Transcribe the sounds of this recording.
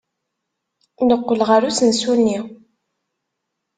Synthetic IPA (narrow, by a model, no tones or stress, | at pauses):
nəqːəlʁaɾusənsunːi